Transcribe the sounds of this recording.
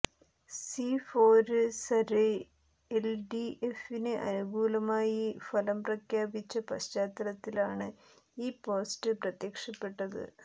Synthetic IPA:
sifoːɾɨsɐɾe | elɖiefinɨʔɐ̰nuɡuːlɐmaːjifɐlɐmprɐkʰjaːbit͡ɕːɐpɐɕt͡ɕaːt̪ːɐɾɐt̪ːilaːɳɨ | iːpo̞ːstɨprɐt̪jɐkʂɐpːe̞ʈːɐðɨ̰

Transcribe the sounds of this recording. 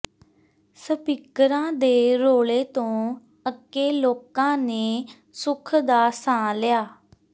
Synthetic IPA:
səpɪkəɾãːd̪eːɾoːleːt̪õː | əkːeːloːkãːneː | sʊkʰd̪aːsãːlɪjaː

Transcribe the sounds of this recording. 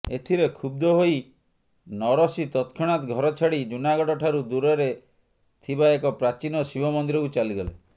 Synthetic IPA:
et̪ʰiɾekʰub̚d̪ɔɦoi | nɔɾɔsit̪ɔt̪kʰɔɽ̃at̪ɡʱɔɾɔt͡ʃʰaɽid͡ʒunaɡɔɖɔʈʰaɾud̪uɾɔɾe | t̪ʰibaekɔpɾat͡ʃinɔsibɔmɔnd̪iɾɔkut͡ʃaliɡɔlḛ

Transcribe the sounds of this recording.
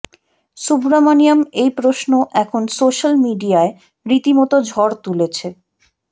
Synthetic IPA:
subɾamaniamejpɾoʃnoʔɛkʰonsoʃalmiɖiae | ɾit̪imɔt̪od͡ʑʱɔɾt̪ulet͡ɕʰe

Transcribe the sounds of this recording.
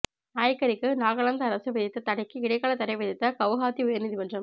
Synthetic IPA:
aːjkːɐɾɪkːɯnaːɣɐɭɐnd̪ɐɐɾɐsɯʋɐðɪt̪ːɐt̪ɐɽɐɪkːɯɪɽɐɪkːaːɭɐt̪ːɐɾɐɪʋɐðɪt̪ːɐkɐʋɣaːt̪iʊjɐɾnɪðimɐndrɐm

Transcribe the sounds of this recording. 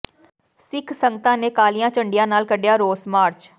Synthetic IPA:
sɪkʰsəŋɡət̪ãːneːkaːlijãːt͡ʃəɳɖɪjãːnaːlkəɖɪjaːɾoːsmaːɾt͡ʃ

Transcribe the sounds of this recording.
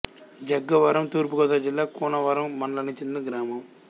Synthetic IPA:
d͡ʒɐɡːɐʋɐɾɐmt̪uːɾp̬ukɔːd̪aːd͡ʒilːaːkuːnɐʋɐɾɐmːɐnɐlɐnit͡ʃininɐɡɾaːmɐm

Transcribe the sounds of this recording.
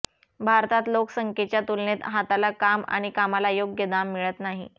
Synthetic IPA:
bʱaɾt̪at̪loksəŋket͡ɕjat̪ulnet̪ɦat̪alakama̰ɽ̃ikamalajoɡjəd̪amːiɭət̪naɦḭ

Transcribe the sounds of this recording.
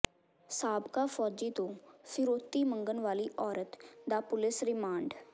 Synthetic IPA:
saːbkaːfʰɔːd͡ʒiːt̪õːfʰɪɾoːt̪iːməŋɡənʋaːliːʔɔːɾət̪d̪aːpʊlɪsɾɪmaːɳɖ

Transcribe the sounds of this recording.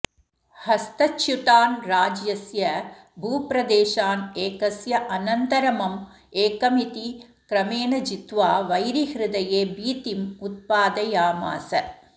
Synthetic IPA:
hɐst̪ɐt͡ʃːjut̪aːnɾaːd͡ʒjɐsjɐ | bʱuːpɾɐd̪eːʃaːneːkɐsjɐʔɐnɐnt̪ɐɾɐmɐm | eːkɐmit̪i | kɾɐmeːnɐd͡ʒit̪ʋaːʋɐjɾihɾɪd̪ɐjeːbiːt̪imut̪̚paːd̪ɐjaːma̰ːsɐ

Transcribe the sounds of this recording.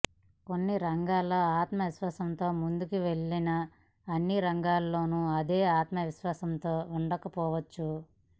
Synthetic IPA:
ko̞nːiɾɐŋɡaːlːoːaːt̪mɐʋiʃʋaːsɐnt̪o̞ːmund̪ukiʋe̞ɭːinɐː | nːiɾɐŋɡaːlːo̞ːnuɐd̪e̞ːaːt̪mɐʋiʃʋaːsɐmt̪o̞ːuɳɖɐkɐpɔːʋɐt͡ʃːu

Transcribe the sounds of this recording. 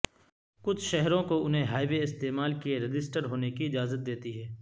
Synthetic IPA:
kʊt͡ʃʰʃɛɦɾõkoʊnɦẽɦaːiʋeɪst̪eːmaːlkieɾɪd͡ʒɪsʈəɾɦoːnekiɪd͡ʒaːzət̪̚d̪eːt̪iɦɛː

